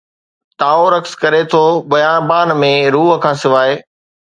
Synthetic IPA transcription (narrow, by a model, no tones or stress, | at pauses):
t̪aːoɾɐkskɐɾet̪ʰoɓɐjãːnbaːnmẽɾuːɦə̆kʰãːsɪʋaːeː